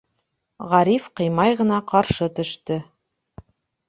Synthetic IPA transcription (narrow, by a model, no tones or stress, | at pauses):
ʁɑɾifqɤ̆jmɑjʁɤ̆nɑqɑɾʃɤt̪ɵ̆ʃt̪ɵ